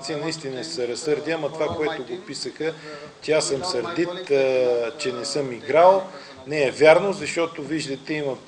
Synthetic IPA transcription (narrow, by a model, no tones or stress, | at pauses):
t̪sinɐist̪inəɛsəɾɐsːɤɾd̪iamɐt̪ovakoɛt̪oɡopisəxə | t͡ʃɛasːəmsəɾd̪it̪ | t͡ʃɛnɛsɤmiɡɾalˠ | nɛɛvʲjaɾnozɐʃt̪ɔt̪oviʒd̪ət̪ɛimɐp